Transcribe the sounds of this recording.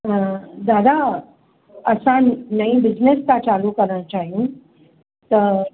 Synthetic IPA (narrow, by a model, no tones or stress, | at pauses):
d̪ad̪ʱa | əsãnəĩbid͡ʑneskat͡salukəɾnat͡ɕaːɦĩ | t̪ə